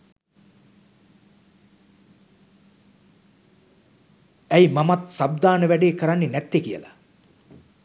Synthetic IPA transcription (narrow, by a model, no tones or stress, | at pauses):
æjmamat̪sab̚d̪aːnəʋæɖeːkəɾanːenæt̪ːekijə̰la̰